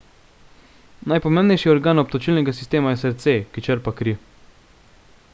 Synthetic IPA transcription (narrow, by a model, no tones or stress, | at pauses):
najpɔmẽːmbnɛjʃiɔɾɡaːnɔpt̪ɔt͡ʃilnɛɡas̬ist̪eːmajɛsɛɾt̪sekit͡ʃəɾpakɾi